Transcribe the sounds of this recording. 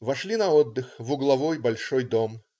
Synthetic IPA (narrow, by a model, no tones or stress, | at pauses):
vɐʂlʲinɐod̪ːɨxvʊɡlˠɐvojbɐlʲʂojd̪om